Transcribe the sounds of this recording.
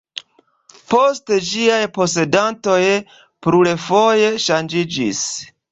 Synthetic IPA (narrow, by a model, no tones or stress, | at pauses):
po̞sted͡ʒiajpo̞se̞danto̞j | pɾule̞fo̞je̞ʃand͡ʒid͡ʒḭs